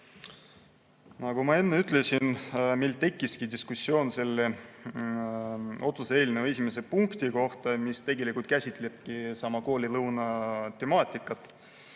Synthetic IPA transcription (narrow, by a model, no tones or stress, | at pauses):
nɑɡ̥umɑe̞nːeyt̪le̞sinmilt̪e̞kːiskid̪iskusːjo̞ːnse̞lːe | o̞t̪suse̞ːlinee̞sʲimes̬e̞puŋkt̪iko̞ht̪ɑmist̪e̞ɡe̞likult̪kæsʲit̪ːˑleb̥kisɑmɑko̞ːlilɤwnɑt̪e̞mɑːt̪ʲˑikːˑɑt̪ːˑ